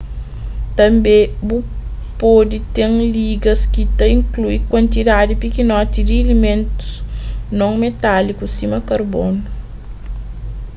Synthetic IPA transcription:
t̪ɐ̃mbebu | pod̪it̪eŋliɡɐskit̪ɐĩŋkluikwɐ̃nt̪id̪ad̪ipikinɔt̪id̪ielimẽnt̪u̥snõŋmet̪alikusimɐkɐɾbonu

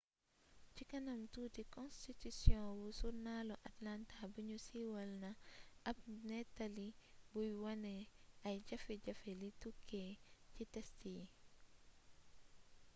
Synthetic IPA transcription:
cikɐnɐmtudikɔ̃nstitisjɔ̃wusunalɔʔatlantabuɲusiːwɐlnɐʔɐp̚nɛtalibujwɐnɛɐjɟɐfɛɟɐfɛlitukʰːɛcitɛstij

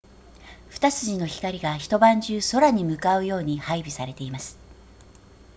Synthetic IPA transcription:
ɸɯ̟̥t̪asɨʑino̞çi̥kaɾʲiɡaçi̥t̪o̞bãɲ̟d͡ʑɨːso̞ɾaɲ̟imɯ̟kaɯ̟jo̞ːɲ̟ihaibʲisaɾe̞t̪e̞imasɨ̥

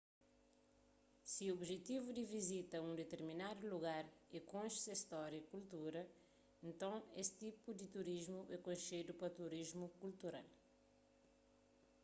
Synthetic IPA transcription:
siuobʒet̪ivud̪ivizit̪ɐũd̪et̪eɾminad̪uluɡaɾekõʃsɐist̪ɔɾjɐikult̪uɾɐ | ẽnt̪ɐ̃w̃est̪ipud̪it̪uɾiʒmuɛkõjʃed̪upɐt̪uɾiʒmukult̪uɾa̰l

